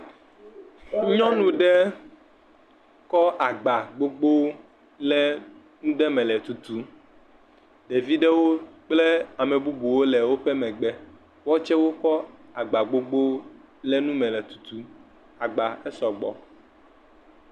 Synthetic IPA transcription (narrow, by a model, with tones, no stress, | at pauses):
ɲɔ̃˦nũ˦ɖɛ˦ | kɔ˦ʔa˨ɡ͡ba˨ɡ͡bo˦ɡ͡bo˦ | lɛ˦ | nũ˦ɖɛ˦mɛ̃˨lɛ˨t̪u˨t̪u˨˦ | ɖe˨vi˦ɖɛ˦wo˦k͡ple˦a˨me˨bu˦bu˨wo˦lɛ˨wo˦ɸɛ˦mɛ̃˨ɡ͡bɛ˦ | wɔ˦t͡ʃɛ˦wo˦kɔ˦a˨ɡ͡ba˨ɡ͡bo˦ɡ͡bo˦ | lɛ˦nũ˦mɛ̃˨lɛ˨t̪u̥˨t̪u˨ | a˨ɡ͡ba˨ɛ˦sɔ˨ɡ͡bɔ̰˨